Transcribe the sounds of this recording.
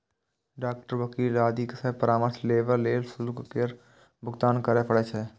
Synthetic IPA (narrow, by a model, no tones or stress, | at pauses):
ɖaːk̚ʈəɾʋəkiːlaːd̪iksepəɾaːməɾsleːʋəɾleːlsʊlkkeɾ | bʱʊɡt̪aːnkəɾepʰəɽet͡ʃʰeː